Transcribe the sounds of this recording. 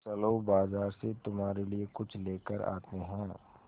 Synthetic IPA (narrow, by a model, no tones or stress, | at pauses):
sɐloːbaːzaːɾset̪ʊmɦaːɾeliekʊt͡ʃʰleːkəɾa̰ːt̪eɦɛ̃ː